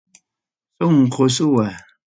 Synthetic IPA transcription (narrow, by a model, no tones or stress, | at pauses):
soŋ̩kʰosuwa